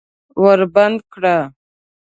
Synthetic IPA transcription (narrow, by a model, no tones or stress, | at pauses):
wəɾband̪̚kɽa